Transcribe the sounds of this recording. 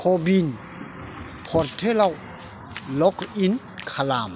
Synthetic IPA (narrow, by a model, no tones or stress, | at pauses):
kʰɔbin | pʰɔɾt̪ʰelaw | lɔkin | kʰalam